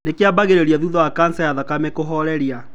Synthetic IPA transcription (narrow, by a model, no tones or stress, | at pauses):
nekeabaɣeɾeɾiaðuðɔwakansajaðakamekoɦɔɾɛɾia